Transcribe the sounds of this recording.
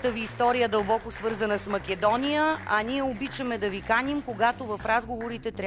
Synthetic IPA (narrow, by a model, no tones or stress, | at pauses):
t̪əviːst̪ɔɾijəd̪ɐlˠbɔkosvɤɾzənəsmɐkɛd̪ɔnʲijəɐniɛobit͡ʃəmɛd̪ɐvikanʲimkoɡat̪ovɐfɾazɡovoɾit̪ɛt̪ɾʲ